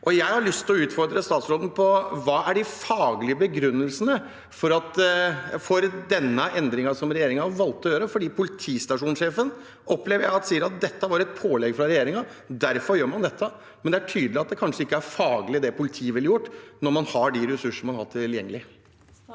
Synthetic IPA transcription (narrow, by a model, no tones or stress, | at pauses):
ʔɔjæɪhɑɾɭʏst̪ʰɪlɔʉːt̪fɔɾd̪ɾəst̪ɑːt̪sɾoːd̪n̩pʰɔʋɑːæɖɪfɑːɡlɪəbəɡɾʉnːəlsənə | fɔɾɑt̪ | fɔɾd̪ɛnːəʔɛnd̪ɾɪŋɑsɔmɾɛjeːɾɪŋɑʋɑlt̪ːɔjøːɾəfɔɖiːpʰʊlɪt̪ʰiːst̪ɑʂuːnʂeːfən | ʔɔpleːʋəɾjæɪɑt̪siːəɾɑt̪̚d̪ɛt̪ːəʋɑːɾɛt̪̚pʰoːlɛɡfɾɑɾɛjeːɾɪŋɑ | d̪æɾfɔɾjøːɾmɑnd̪ɛt̪ʰːə | mɛnd̪ɛææʈʰyːd̪əlɪɑt̪̚d̪ɛkʰɑnʂəɪkːəæɾfɑːɡlɪd̪ɛpʊlɪt̪ʰiːəʋɛləjʊʈːnɔɾmɑnhɑɖɪɾɛsʉʂəɳ̩mɑnhɑʈ̪ʰɪljɛŋːəlɪ